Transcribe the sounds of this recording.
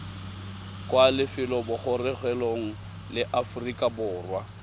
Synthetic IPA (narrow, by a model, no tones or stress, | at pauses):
kʼwalɪfɪlɔbʊχʊrɪɣwɛloŋ̩ | lɪʔafʊrikʼabʊːrwa